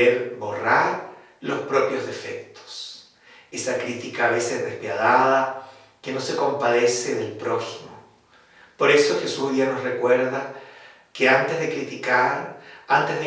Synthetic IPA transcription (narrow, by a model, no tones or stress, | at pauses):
eɾbo̞raɾ | lo̞spɾo̞pjo̞zðe̞fe̞k̚t̪o̥s | esakɾit̪ikaːβe̞sezðespjað̞aða | keno̞se̞ko̞mpaðe̞seðelpɾo̞ximo | po̞ɾe̞so̞xe̞suzðianosrekweɾða | keant̪ezðekɾit̪ikaɾant̪ezðe